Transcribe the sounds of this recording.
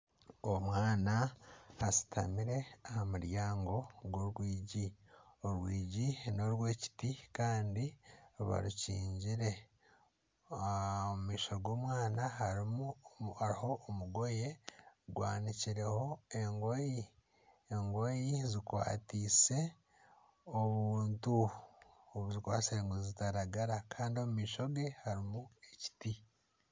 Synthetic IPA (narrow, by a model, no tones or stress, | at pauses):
omwaːnaasi̥tʰa̰miɾe̞ahamuɾjaːŋɡo̞ɡwoɾwiːɟioɾwiːɟino̞ɾwe̞ːci̥tikaːndiβa̰ɾucḭːɲɟiɾe̞ | omumiːʃoɡo̞ːmwaːnaɦaɾimuhaɾiho̞ʔːmuɡo̞je̞ɡwa̰ːniciɾe̞ho̞e̞ŋɡo̞ji | eŋɡojizikwa̰ːtiːse̞ | oβuːntu | oβuzikwaːseŋɡozzitaɾaɡaɾakʰaːndio̞mumiːʃo̞ɡe̞haɾimue̞ci̥ti